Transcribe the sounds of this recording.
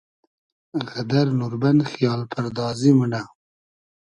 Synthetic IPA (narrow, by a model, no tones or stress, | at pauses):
ɣad̪aɾnuɾbanxijɑːlpʰaɾd̪ɑːzimuna